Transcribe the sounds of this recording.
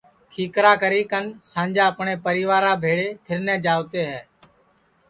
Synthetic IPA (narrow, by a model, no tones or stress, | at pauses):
kʰiːkɾaːkəɾiːkənsãːnd͡ʒãːəpɳeːpəɾiːʋaːɾãːbʱeːɽeːt̪ʰɪɾnɛ̃ːd͡ʒaːʋt̪eːɦɛː